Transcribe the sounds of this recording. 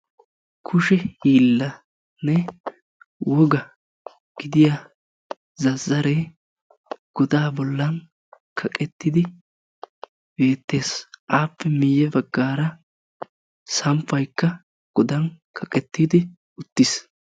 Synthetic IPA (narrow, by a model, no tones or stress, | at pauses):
kʰʊʃɛhiːlːɐ | nɛ | wɔɡɐ | ɡ̥ɪd̪ɪja | zɐzːɐɾe | ɡ̥ɔd̪aːbɔlːɐn | kʰɐkʼɛt̪ːɪd̪ɪ | be̞ːt̪ːe̞ːsʔaːpːɛmɪjːɛbɐɡːaːɾɐ | sɐmpːɐjkːɐ | ɡ̥ɔd̪ɐnkʰɐkʼɛt̪ːiːd̪ɪ | ʊt̪ːɪs